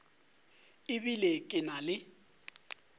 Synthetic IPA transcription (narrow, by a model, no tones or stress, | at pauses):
ɪβilekʼɪnalɪ